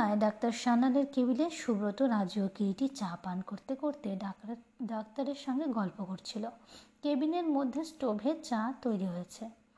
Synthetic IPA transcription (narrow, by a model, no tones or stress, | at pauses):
aeɖak̚t̪aɾʃanaleɾkebileʃubɾot̪oɾad͡ʑokeʈit͡ɕapankoɾt̪ekoɾt̪e | ɖakt̪aɾeɾʃɔŋɡeɡɔlpokoɾt͡ɕʰilokebineɾmod̪ʱːesʈobʱet͡ɕat̪ojɾiɦojet͡ɕʰe